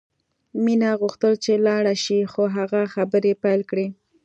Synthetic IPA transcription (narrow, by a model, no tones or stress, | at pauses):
minaɣuxt̪əlt͡ʃelɑɽaʃixoɦaɣaxabəɾepajlkɽe